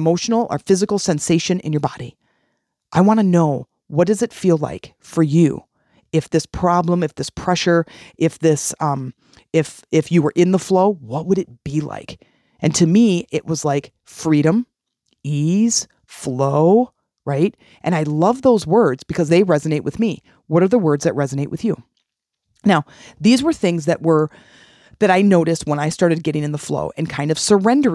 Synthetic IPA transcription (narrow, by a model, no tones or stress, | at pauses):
moʊʃn̩l̩ˠə̰˞fɪzɨkl̩ˠsɛ̃nseɪʃɨ̃nɨ̰̃njə˞bɑ̰ɾi | ʔaɪwɑ̃ñɨnoʊ | wʌt̚d̥ʌzɨtfila̰ɪk | fə˞jʉ̰ | ɨfðɪspʰɹ̥ɑblə̃mɨfðɪspʰɹ̥ɛʃə˞ʔɪfðɪsʌ̃m | ɪf | ɪfjɨwə˞ʔɪ̃nðəfloʊwʌt̚wəɾɨt̚b̥ila̰ɪk | ʔɨ̃ntʰɨmiɪʔ̚wʌzlaɪk | fɹiɾə̃m | iz̥ | floʊ | ɹaɪt̚ | ʔɨ̃naɪlʌvðoʊzwɜ˞dz̥bɨkʰʌzðeɪɹɛzɨneɪʔ̚wɨðmi | wʌɾə˞ðəwɜ˞dzðɨt̚ɹɛzɨneɪʔwɨðjʉ | naʊ | ðizwə˞θɪ̃ŋzðɨʔ̚wə˞ | ðɨɾaɪnoʊɾɨst̚wə̃ñaɪstɑɹɾɨd̚ɡɛɾɪ̃ŋɨ̃nðəflo̰ʊʔɨ̃nkʰãɪ̃ndʌv̥sə˞ɛ̃ndə˞